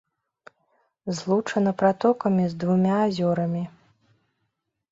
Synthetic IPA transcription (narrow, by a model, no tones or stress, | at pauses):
zlˠut͡ʂɐnɐpɾat̪ɔkɐmʲizd̪vumʲaːzʲɔɾɐmʲi